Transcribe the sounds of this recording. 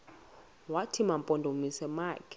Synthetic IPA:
watʰimampʼɔndʱomisɛmaːkʰɛ̥

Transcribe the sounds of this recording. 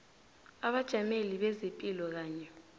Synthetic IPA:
aɓad̥ʒ̥ʱameliɓɛzepʼilɔk̬aːɲɛ

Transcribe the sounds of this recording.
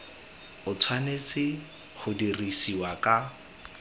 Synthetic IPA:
ʊtʰwanesɪ | χʊdirisiwakʼa

